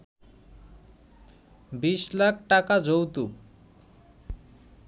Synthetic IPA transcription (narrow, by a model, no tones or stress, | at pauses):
biʃlak̚ʰʈakad͡ʑowt̪u